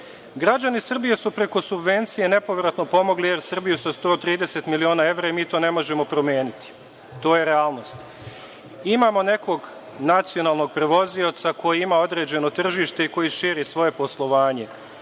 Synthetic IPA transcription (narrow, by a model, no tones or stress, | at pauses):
ɡɾad͡ʑanisr̩bije̞supɾe̞ko̞subʋe̞nt̪sije̞ne̞po̞ʋɾat̪no̞po̞mo̞ɡlije̞ɾsr̩bijusast̪ot̪ɾiːd̪e̞se̞t̪milio̞ːnaːe̞ʋɾaimiːt̪o̞ːne̞mo̞ʒe̞mo̞pɾo̞mje̞ːnit̪i̥ | t̪o̞ːjeɾeaːlˠno̞st̪ | imaːmo̞ne̞ko̞ɡ | nat̪sio̞naːlˠno̞ɡ̚pɾe̞ʋo̞ziot̪sako̞jiimao̞d̪ɾe̞d͡ʑe̞no̞t̪r̩ʒiːʃt̪e̞iko̞jiʃiːɾisʋo̞je̞po̞slˠo̞ʋaːɲe̞